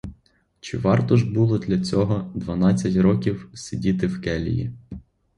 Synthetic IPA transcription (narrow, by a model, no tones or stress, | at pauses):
t͡ʃɪʋɑrt̪ɔʒbulˠɔd̪lʲɐt͡sʲɔɦɔd̪ʋɐnɑt͡sʲːɐtʲɾɔkʲiwsʲidʲit̪ɪwkɛlʲḭjḭ